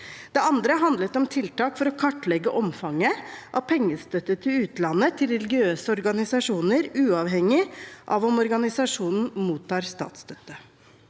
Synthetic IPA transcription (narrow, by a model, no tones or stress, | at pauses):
d̪̥ɛɑnd̪ɾəɦɑnd̪lət̪ɔmt̪ʰɪlt̪ɑːkfɔɾɔkʰɑʈːlɛɡəʔɔmfɑŋːəʔɑʋpʰɛŋːəst̪œt̪ːət̪ʰɪlʉːt̪lɑnːət̪ʰɪlɾɛlɡɪøːsəɔɾɡɑnɪsɑʂuːnəɾʉːɑʋɦɛŋːɪʔɑ̰ʋɔmɔɾɡɑnɪsɑʂuːnn̩muːt̪ʰːɑːɾst̪ɑ̰ːt̪st̪œt̪ːə